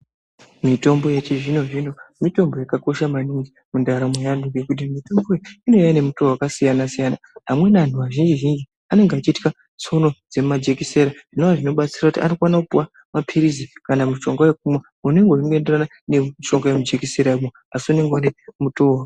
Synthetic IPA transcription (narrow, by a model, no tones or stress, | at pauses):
mito̞mbo̞jet͡ʃeʐino̞ʐino̞mito̞mbo̞jakako̞ʃamaniŋɡi | mundaɾamwejanduɡekut̬imito̞mbo̞iino̞jane̞muto̞wakasijanasijana | ɦamwenantuʋaʒind͡ʒiʒind͡ʒi | ane̞ŋɡeat͡ʃitka | t͡so̞no̞d͡ze̞mad͡ʒekise̞ɾaʐ̥inoaʐino̞ɓat͡sirakutia̰nokwanakupuwa | mapʰiɾizikanamiʃo̞ŋɡawek̚umwa | une̞ŋɡoiŋɡe̞nderana | neiʃo̞ŋɡajemud͡ʒe̞kise̞ɾaumo | asione̞ŋɡane̞muto̞ɦa